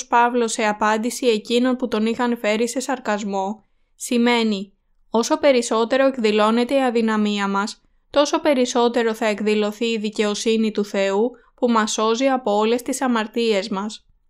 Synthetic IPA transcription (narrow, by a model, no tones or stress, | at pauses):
spɐvlo̞se̞ɐpɐnd̪isie̞cino̞nput̪o̞nixɐnfe̞ɾise̞sɐɾkɐzmo̞ | sime̞ni | o̞so̞pe̞ɾiso̞t̪e̞ɾo̞e̞kðilo̞ne̞t̪e̞iɐðinɐmiɐmɐs | t̪o̞so̞pe̞ɾiso̞t̪e̞ɾo̞θɐe̞kðilo̞θiːðice̞o̞sinit̪uθe̞u | pumɐso̞ziɐpo̞ole̞st̪isɐmɐɾt̪ie̞zmɐs